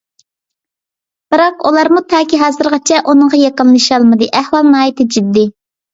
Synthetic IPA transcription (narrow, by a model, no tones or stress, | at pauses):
b̥ɨɾɑqulˠɑɾmut̪ʰɑːkʲiɦɑːzɨɾʁɑt͡ʃʰɛʔunɨŋʁɑjɑqəlˠːɨʃɑlˠmɨd̪ɨʔæhwɑlˠnɑːjit̪ʰɪd͡ʒyd̪ːɪ